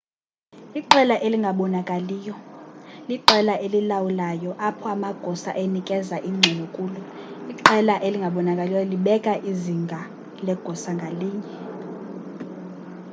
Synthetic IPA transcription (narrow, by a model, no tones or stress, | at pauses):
iǃɛlaʔeliŋɡʱaɓɔnakʼaliːjɔliǃɛlaʔelilawulajɔʔapʰɔamaɡ̥ʱɔsaʔenikʼɛzaʔiŋ͡ǀʱɛnɔkʼuːluiǃɛlaʔeliŋɡʱaɓɔnakʼalijɔliɓɛkʼaʔiziŋɡʱa | lɛɡ̥ʱɔsaŋɡʱaliːɲɛ